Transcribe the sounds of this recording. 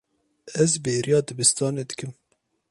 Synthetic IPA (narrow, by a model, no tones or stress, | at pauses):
ɛzbeːɾʔijɑːd̪ɨbɨst̪ɑːneːd̪ɨkɨm